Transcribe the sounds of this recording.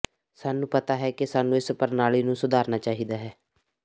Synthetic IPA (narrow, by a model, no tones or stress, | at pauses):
saːnũːpət̪aːɦɛːkɪsaːnũːɪspəɾnaːɭiːnũːsʊd̪ʱaːɾnaːt͡ʃaːɦiːd̪aːɦɛː